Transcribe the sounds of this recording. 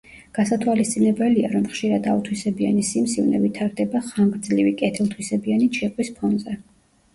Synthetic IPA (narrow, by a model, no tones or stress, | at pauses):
ɡ̥asat̪ʰwalist̪sʼinɛbɛliaɾɔmχʃiɾad̪aut̪ʰwisɛbia̰nisimsivnɛ̰vit̪ʰaɾd̪ɛbaχaŋɡɾd̪zlivikʼɛt̪ʰɛlˠt̪ʰwisɛbianit͡ʃʰɛqʼwispʰɔnzɛ